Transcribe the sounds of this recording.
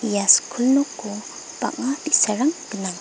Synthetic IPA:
ijaskʰulnukːu | b̥a̰ʔ̚ŋadisaɾaŋɡ̥ənaŋ

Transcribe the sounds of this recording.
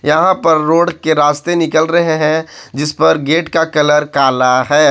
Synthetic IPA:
jɐɦãpɐɾːoːɽkeɾaːst̪enɪkəlɾɐɦeɦɛ̃d͡ʒɪspɐɾɡeːʈkakɐləɾkaːlaɦɛː

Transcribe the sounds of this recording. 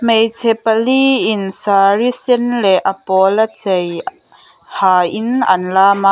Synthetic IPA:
mejt͡sʰɛpaliɪnsaɹisinlɛʔapɔlat͡sej | haːʔɪnʔɐ̰nlaːmaʔ

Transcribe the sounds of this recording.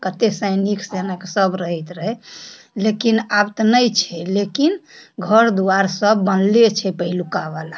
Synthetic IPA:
kət̪esəjniksenəksəbɾəɦɛt̪ɾəɦɛ | lekinabt̪ɔnəjt͡ʃʰɛlekinɡʱəɾd̪uaɾsəbːənlet͡ʃʰɛpəɦilukabala

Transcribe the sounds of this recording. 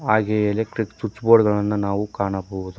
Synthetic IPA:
aːɡeɐilek̚ʈɾiksut͡ʃːboːɖɡɐɭɐnːunaːʋukaːɳɐboʋud̪u

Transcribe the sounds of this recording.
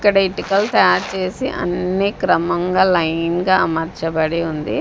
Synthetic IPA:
kːɐɽɐiʈikɐlt̪ɐajaːɾt͡ʃeːsiʔɐ̰nːikɾɐmɐŋɡaːlɐjnɡaːɐmɐɾt͡ʃɐbɐɽeund̪ḭ

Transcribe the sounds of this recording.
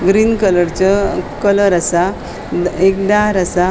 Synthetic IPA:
ɡɾiːnkələɾt͡ɕɔkələɾasa | d̪ek̚d̪aɾasa

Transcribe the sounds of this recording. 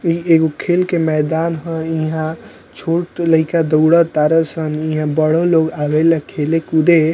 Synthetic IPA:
ieɡokʰelkemɛd̪aːnɦə̃iɦã | t͡ʃʰoʈləikad̪əwɽət̪aɾəsəniɦãbəɽ̤oloɡaʋeləkʰelekud̪e

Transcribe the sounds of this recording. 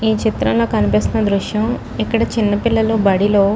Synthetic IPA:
iːt͡ʃit̪ɾɐ̰mlo̞ːkɐnipiːst̪unɐd̪ɾuʂjɐm | ikːɐɽɐt͡ʃinːɐpilːɐlubɐɽilo̞ː

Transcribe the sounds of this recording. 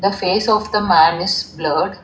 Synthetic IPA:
d̪əfeːsɔːʋd̪əmæ̃nɪzbləːɖ

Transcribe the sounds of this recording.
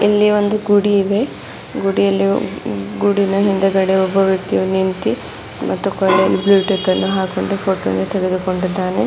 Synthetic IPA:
elːiʋo̞nd̪uɡuɽiːd̪e̞ | ɡuɽijɐlːiɡuɽinɐɦind̪ɐɡɐɽeɔbɐʋjɐk̚t̪iʋunint̪i | mʔɐt̪ːukɔlːelibluːʈet̪ːɐnːuɦaːkoɳɖupʰoːʈːnd̪ut̪ɛɡed̪uko̞ɳɖid̪ːaːne

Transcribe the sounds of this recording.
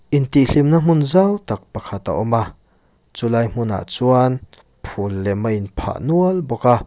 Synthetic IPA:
ʔint̪iʔɬimnam̥ʊnzawt̪ak̚pɐkʰat̪a̰ʔɔma | t͡sulaːjm̥ʊna̰ʔt͡suan | pʰulːɛmɐʔinpʰa̰ʔnuɐlbɔka

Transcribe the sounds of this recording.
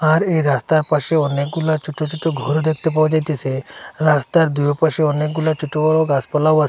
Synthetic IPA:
aɾeɾast̪aɾpaɕeɔnekɡulat͡ʃuʈːot͡ʃuʈːoɡʱɔɾod̪ek̚ʰt̪ep̬aʋd͡ʒajt̪eseɾast̪aɾd̪ujopaɕeɔnekɡulat͡ʃuʈːoʋɔɾoɡaspəlaʋas

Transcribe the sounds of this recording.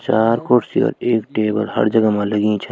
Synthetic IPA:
t͡ʃaːɾkoʈsio̰ːɾeːkʈeːbə̰lhə̰ɾd͡ʒəɡamãləɡĩt͡ʃʰə

